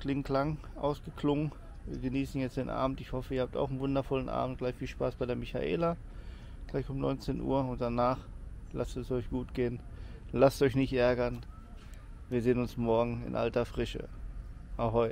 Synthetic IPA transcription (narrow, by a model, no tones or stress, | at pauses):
klɪŋtlaŋ | ʔa̰ʊsɡ̥əkʰlʊŋən | viːɐɡəniːsn̩jɛt͡sd̥eːnʔa̰ːbm̩tɪçhɔfəiːɐaːp̚ta̰ʊxn̩vʊndɐfɔlənʔa̰ːbm̩t̚ɡ̥laɪçfiːlʃpaːsb̥aɪdeɐmɪça̰ʔḛːla | ɡ̥laɪçʊmnɔ̰ʏnt͡seːnʔṵːɐʊnt̚d̥anaːχlastɛsɔʏçɡ̥uːtɡ̥eːnlastʔɔʏçnɪçtʔɛɐɡɐn | viːɐzeːnʊnsmɔɐɡŋ̩ɪ̰nʔa̰ltɐfʁ̥ɪʃə̰ʔaʊxhɔʏtə